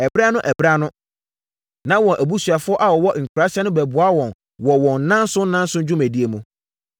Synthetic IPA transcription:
ɛ˨bɾa˦nʊ̃˦ʔæ˨bɾa˦nʊ̃˦ | nã˦wɔ̃˨nʔæ˨bu˦sɥa˨fʊ˦ɔ˦ʔa˨wɔ˨wɔ˦ʔŋ̩˨kʰɾa˦ɕɛ˦nʊ̃˦bɛ˨bʊ˨a˦wɔ̃˨n | wɔ˨wɔ̃˨n˦nã˦n˦sʊ̃˦n˦nã˦n˦sʊ̃˦d͡ʑᶣʊ˦mæ̃˨di˦e˨mũ˨

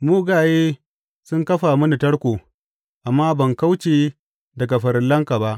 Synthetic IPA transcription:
muː˦ɡaː˨jeː˦ | sʊ˦ŋkɐ˦ɸaː˨mʊ˦ni˨tɐ˦ɽkʷoː˨ | ʔa˨mːaː˦bɐ˨ŋka˦wt͡ʃeː˦ | dɐ˨ɡa˨ɸɐ˨ɾɪ˨lːɐ˦ŋka˨ba˦ʔ

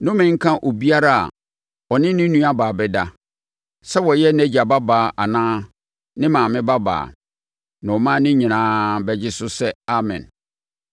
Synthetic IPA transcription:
nʊ̃˦mɪ̃˦ŋ̩˦kʰã˦ʔo˨bi˦a˦ɾa˦a̰˨ | ɔ˨nɪ̃˦nɪ̃˦nũ˦a˦baː˨bɛ˦da˨ | sɛ˦wɔ˨jɛ˦næ˦d͡ʑa˨ba˦baː˨ʔa˨nãː˦ | nɪ̃˦mãː˨mɪ̃˦ba˦ba̰ː˨ | nã˨ɔ˨mã˦nɪ̃˦ɲĩ˨nãː˦bɛ˦d͡ʑɪ˦sʊ˦sɛ˦a˦mɪ̰̃˨n

